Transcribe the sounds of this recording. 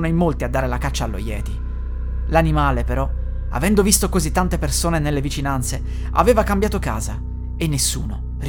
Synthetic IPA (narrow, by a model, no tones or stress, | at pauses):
najmːolt̪iad̪ːaːɾelakat͡ʃːalːo̰jɛ̰ːt̪i | lanimaːlepeɾɔ | a̰vɛnd̪ovist̪okozit̪ːant̪epersoːnenelːevit͡ʃinant̪se | a̰veːvakambjaːt̪oka̰ːza | enːesːṵːno̰ | r